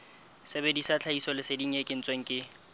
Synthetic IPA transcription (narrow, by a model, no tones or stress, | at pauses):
sebedisat͡ɬʰaisɔlɪsediŋ̩ekʼɪn̩t͡sʼweŋ̩kʼɪ